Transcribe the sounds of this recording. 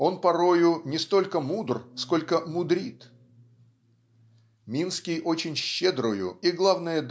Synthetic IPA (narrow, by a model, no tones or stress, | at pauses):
o̞npɐɾo̞jʊnʲɪst̪o̞lʲkəmud̪rsko̞lʲkəmʊd̪ɾʲit̪ | mʲinskʲɪjʔot͡ɕɪnʲɕːed̪ɾʊjʊ̰iɡlˠavnəjəd̪